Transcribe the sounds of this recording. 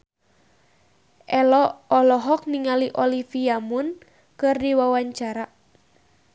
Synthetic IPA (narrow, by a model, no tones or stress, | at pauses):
ʔɛlɔːlɔɦɔk̚niŋaliʔɔlifiamun | kɨrdiwawaɲt͡ʃaɾa